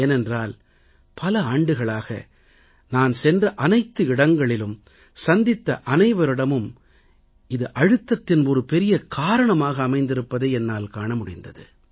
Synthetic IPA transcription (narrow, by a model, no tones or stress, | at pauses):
eːnɛndraːl | pɐlɐaːɳɖɯɣɐɭaːɣɐ̰ | naːnsɛndrɐʔɐnɐɪt̪ːɯɪɽɐŋɡɐɭɪlɯm | sɐnd̪ɪt̪ːɐ̰ʔɐnɐɪʋɐɾɪɽɐmɯm | ɪðɯʔɐɻɯt̪ːɐt̪ːɪnɔɾɯpɛɾɪjɐkʰaːɾɐɳɐmaːɣɐːmɐɪnd̪ɪɾɯpːɐðeːɛnːaːlkaːɳɐmʊɽɪnd̪ɐðɯ̰